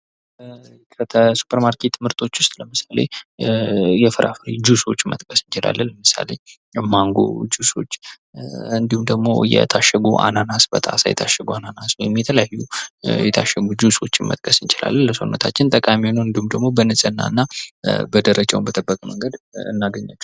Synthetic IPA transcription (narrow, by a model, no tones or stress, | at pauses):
kʰət̪ʰəsu̥pʰəɾmaɾkʰet̪ʰmɨɾt̪ʰʼo̞t͡ʃːwʊst̪ʼləmɨsale̞̰ | jɛfɨɾʔafɨɾid͡ʒuso̞t͡ʃːmə̰t̪ʼkʼəsɨnt͡ʃɪla̰lːənləmɨsa̰le | maŋɡo̰d͡ʒuso̞t͡ʃː | ɨnd̪ihumd̪əɡmo̞̰jɛ̰t̪ʰaʃəɡuʔa̰nanasbə̰t̪ʼasa̰jɛ̰t̪ʰaʃːəɡuananasjɛmːit̪ʰələjajːujɛt̪ʰaʃəɡud͡ʒuso̞t͡ʃːɪnmə̰t̪ʼkʼʰəsɨnt͡ʃɪla̰lːənləso̞̰nːət̪ʰat͡ʃːɪnt̪ʼəkʼaminoɨnd̪ihumd̪əɡmo̞bənɨsʼɨnːa̰ɨnːabəd̪əɾəd͡ʒʼawumbət̪ʼɨbːəkʼəməŋɡəd̪ɨ̰nːaɡəɲːat͡ʃːu̥